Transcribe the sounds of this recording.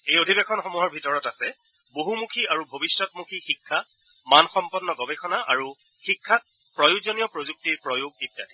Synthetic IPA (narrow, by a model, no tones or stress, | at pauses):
ejodʱibekʰɔnxomuɦɔɹbʱitɔɹɔtasɛ | boɦumukʰiaɹubʱobisːɔtmukʰixikʰːa | manxɔmpɔnːɔɡɔbexʰɔnaʔa̰ɹu | xikʰːa | pɹɔjuɡzonijɔpɹozuk̚tiɹpɹɔjuɡ̚itːati